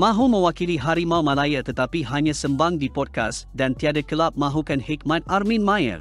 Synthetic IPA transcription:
maɦuməwakiliɦaɾimawmalajət̪ət̪apiɦaɲəsəmbãŋd̪ipɔd̚ka̰sdant̪ijadəkəlap̚maɦukɐnhekmãnaɾminmajə̰ɾ

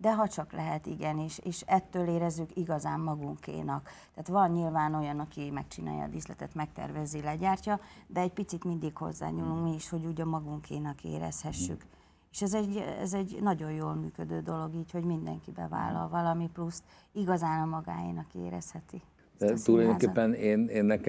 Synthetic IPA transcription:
d̪ɛɦɒt͡ʃɒklɛɦɛt̪ḭɡɛniʃeːʃɛt̪ːøːleːɾɛzːykiɡɒzaːmːɒɡuŋkḛːnɒkt̪ɛːt̪vɒnɲilvaːno̞jɒnɒkimɛk̚t͡ʃina̰ːjɒ̰ːd̪islɛt̪ɛt̪mɛk̚t̪ɛ̰rvɛzilɛɟaːrcɒd̪ɛɛc̚pit̪sit̪mind̪ikho̞̰zːa̰ːɲuːluŋkmiiʃho̞ɟuːɟɒmɒɡuŋkeːnɒkḛːɾɛ̰shɛʃːyk | eːʃɛzɛɟɛ̰zɛɟnɒɟo̞jjoːlmyːkød̪øːd̪o̞lo̞ɡiːcho̞ɟmind̪ɛ̰ŋkibɛ̰va̰ːlːɒ̰lvɒlɒmiplust̪ | iɡɒzaːnɒmɒɡa̰ːjḭnɒkḛːɾɛ̰shɛt̪i | d̪̥ɛt̪ulɒjd̪okeːpːɛneːneːnːɛk

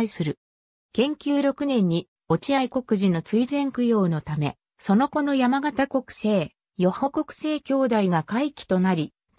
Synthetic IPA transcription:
isɨɾɯ̟ | kẽ̞ŋkʲɨːɾo̞kɯ̟nẽ̞ɲ̟ːi | o̞t͡ɕiaiko̞kɯ̟ʑino̞t͡sɨizẽ̞ŋkɯ̟jo̞ːno̞t̪ame̞̰ | so̞no̞ko̞no̞jamaɡat̪ako̞kɯ̟̥se̞ː | jo̞hoko̞kɯ̟̥se̞ːkʲo̞ːd̪aiɡakaikʲi̥t̪o̞naɾʲi

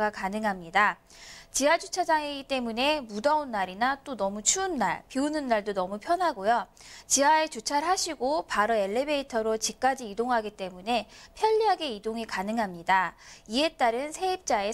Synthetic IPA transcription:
ɡakanɯŋɦamɲida | t͡ɕiad͡ʑut͡ɕʰad͡ʑaŋeɡit͈e̞mune̞mudaunːaɾinat͈onʌmut͡ɕʰuːnːa̰ɭpiunɯnːaɭdonʌmupʰjʌnɦaɡojo | t͡ɕiaet͡ɕut͡ɕʰaɭɦaɕʰiɡopaɾoe̞ɭːe̞be̞itʰʌɾot͡ɕik͈ad͡ʑiidoŋɦaɡit͈e̞mune̞pʰjʌʎːiɦaɡe̞idoŋikanɯŋɦamɲidaie̞t͈aɾɯnsʰe̞ip̚t͡ɕ͈ae̞

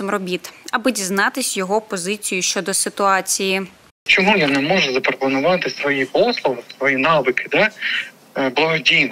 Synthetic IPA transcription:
mrɔbʲit̪ɐbɨdʲiznɑt̪ɪsʲjɔɦɔpɔzɪt͡sʲijʊʃt͡ʃɔd̪ɔsɪt̪ʊɑt͡sʲiji | t͡ʃɔmujanɛmɔʒʊzɐpɾɔpɔnʊʋɑt̪ɪsʋɔjipɔslˠɔlɪsʋɔjinɑbɪkɪd̪ɛ | blˠɐɦɔdʲijn

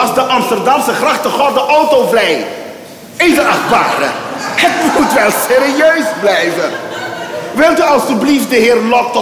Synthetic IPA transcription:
ɑzdəʔɑmstərdɑmsəχrɑχtəχɔdəʔowtovlɛj | ɪzəɑχt̚ba̰ːɾəhətmutʋɛlˠseːɾiøɥzblɛjvə | ʋɪlˠtyɑlˠstybliftdəɦɪːrlɔk̚tɔ

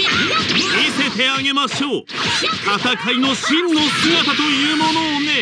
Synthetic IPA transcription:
et̪e̞t̪e̞aɡe̞maɕo̞ː | t̪ʰat̪akʰaino̞ɕĩnːo̞sɨɡat̪at̪o̞jɯ̟ːmo̞noːne̞

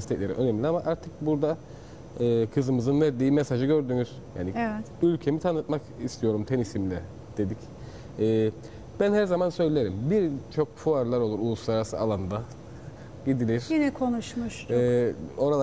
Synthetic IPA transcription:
ist̪ʰɛclʲe̞ɾḭʔø̞nemlʲiamaʔaɾt̪ʰɯk̚buɾd̪a | ɯːkʰɯzɯmɯzɯnvæɾd̪iːmesaʒɯɟø̞ɾd̪yːmyz̥ja̰ːnivɛt̪ylʲcʰe̞mit̪ʰanɯt̪̚makist̪ʰijo̞ɾumt̪ʰenisimlʲɛ | d̪̥e̞d̪ic | ɛː | b̥ænhæɾzamansø̞jlʲeɾimbiɾt͡ʃʰo̞kfʰuaɾlˠaɾo̞lˠuɾulˠuslˠaɾasɯalˠand̪a | ɟid̪ilʲiɾ̥jinɛkʰonuʃmuʃɛo̞ɾalˠ

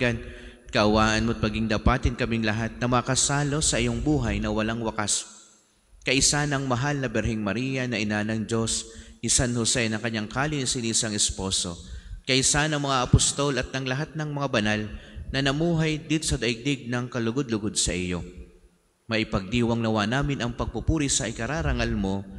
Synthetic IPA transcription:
an | kɐʔɐwaːʔɐnmʊt̪̚mɐɡiŋd̪ɐpaːt̪ɪnkɐmɪŋlɐɦat̪̚nɐmɐkɐsaːlo̞sɐʔɪjoŋbuːɦɐjnɐwɐlaŋwɐkas | kɐʔɪsanɐŋmɐɦalnɐbɛɾhɛŋmɐɾiːjɐnɐʔɪnanɐŋd͡ʒo̞sʔɪsanhosɛnɐŋkɐɲːaŋkaːlɪnɪsɪnɪsɐŋɪspo̞so̞̰kɐjsanɐŋmɐŋaʔɐpʊst̪o̞lɐt̪̚nɐŋlɐɦat̪̚nɐŋmɐŋabɐnalnɐnɐmuːɦɐjd̪it̪osɐd̪ɐʔɪɡ̚d̪ɪɡ̚nɐŋkɐlʊɡod̪̚lʊɡod̪̚sɐʔɪjo̞ | mɐʔɪpɐɡ̚d̪iːwɐŋlɐwanaːmɪnɐŋpɐɡ̚pʊpuːɾisɐʔɪkɐɾaːɾɐŋalmo̞

